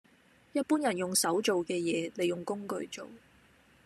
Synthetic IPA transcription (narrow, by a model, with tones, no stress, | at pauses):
jɐ˥t̚puː˥njɐ˨˩njʊ˨˩ŋsɐ˨˥wt͡ʃo˨wkɛː˧jɛː˨˧ne˨˧jʊ˨˩ŋkʊ˥ŋkɵ˨˧ɥt͡so˨w